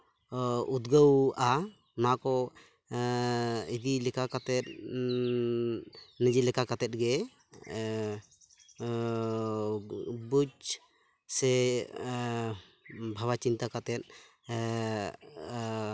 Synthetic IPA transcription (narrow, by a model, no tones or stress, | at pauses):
ud̪ɡəwa | nakɔ | id̪ilɛkakat̪ɛt̪̚ | nəd͡ʒilɛkakat̪ɛt̪̚ɡɛ | but͡ʃ | sɛ | bʱawat͡ʃint̪akat̪ɛt̪̚